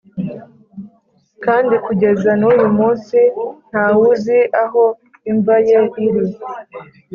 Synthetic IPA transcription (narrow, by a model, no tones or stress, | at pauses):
kaːndikuɟe̞zanujumuːnsin̥hawuziʔaɦo̞ | iɱvaje̞ʔiɾi